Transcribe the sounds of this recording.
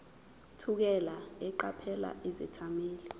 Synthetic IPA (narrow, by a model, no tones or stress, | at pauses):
tʰuk̬ɛlaɛǃapʰɛla̰ʔizɛ̰tʰameːli